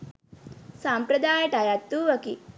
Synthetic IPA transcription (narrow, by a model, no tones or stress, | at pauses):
sampɾɐd̪aːjəʈajat̪ːuʋɐki